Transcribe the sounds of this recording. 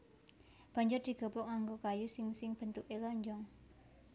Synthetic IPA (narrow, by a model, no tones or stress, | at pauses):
b̥a̤ɲd͡ʒʊrd̪̥i̤ɡ̥o̤pɔkaŋɡokajusɪŋsɪŋb̥ənt̪ukelɔɲd͡ʒɔŋ